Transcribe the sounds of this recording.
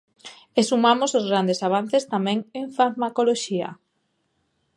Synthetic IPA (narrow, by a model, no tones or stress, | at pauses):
esumamosozɣɾand̪esaβ̞an̟θest̪amɛ̃ŋeɱfaɾmakoloʃia̰